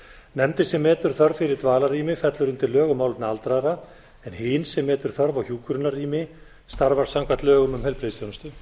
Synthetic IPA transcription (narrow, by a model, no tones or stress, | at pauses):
nɛmt̪ɪsɛmːɛːt̪ʏɾ̥θœɾvfɪɾɪɾt̪vaːlariːmɪfɛt̪lʏɾʏmt̪ɪlːœːɣʏmawlt̪naalt̪ɾaðɾa | ɛnhɪnsɛmːɛːt̪ʏɾ̥θœɾvawçjuːkʏɾʏnariːmɪ | st̪aɾvaɾ̥sawŋkat̪lœːɣʏmʏmhɛlpɾɪːðst̪jownst̪ʏ